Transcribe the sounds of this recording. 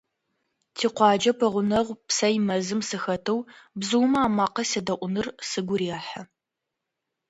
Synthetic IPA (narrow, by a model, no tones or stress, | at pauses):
tʰiːqʷɑːd͡ʒɐpʰɐʁʷʊnɐʁʷpsɐjmɐzɨmsɨxɐtʰɨwbzɨwmɐaːmaːqɐsɐdɐʔʷʊnɨrsɨɡʷʊɾjaːħɐ